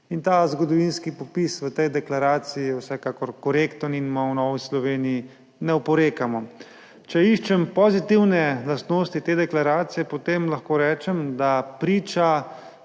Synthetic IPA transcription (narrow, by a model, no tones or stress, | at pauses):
int̪azɡɔd̪ɔʋinskipɔpisʋət̪ɛjd̪ɛklaɾaːt̪sijiwsɛkaːkɔɾkɔɾekt̪əninmɔwnɔːʋislɔʋeːniji | nɛupɔɾeːkamɔ | t͡ʃɛiʃt͡ʃɛmpɔzit̪iwnɛlast̪noːst̪it̪eːd̪ɛklaɾaːt̪sijɛpot̪emlaxkoːɾɛːt͡ʃɛmd̪apɾiːt͡ʃa